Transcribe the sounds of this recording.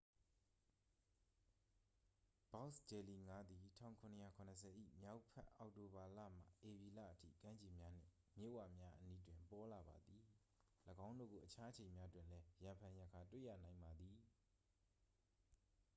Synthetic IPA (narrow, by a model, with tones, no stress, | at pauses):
b̥a˦ʊst͡ɕɛ˨li˨ŋa˦d̪i˨tʰã̰˦˨ʊ̃ŋkʰʊ̃˨nə˨ja˦˨kʰʊ̃˨nəs̬ʰɛ˨ʔḭ˦˨mja˦ʊʔpʰɛ̰˦ʔa˨ʊʔto˨ba˨la̰˦˨m̥a̰˨ʔe˨bi˨la̰˦˨ʔətʰḭ˦˨kã˦ɲt͡ɕi˨mja˦n̥ɪ̰̃˦˨ | mjḛ˦˨wa̰˦˨mja˦ʔəni˦dwɪ̃˨mpɔ˦la˨ba̰˨d̪i˨ | ləɡã˦ʊ̃ndo̰˦˨ɡo˨ʔət͡ɕʰa˦ʔə˦t͡ɕʰẽ˨mja˦twɪ̃˦˨lɛ˦jã˨mpʰã˨jə˨kʰa˨twḛ˦˨ja̰˦˨nã˨ɪ̃mba˨d̪i˨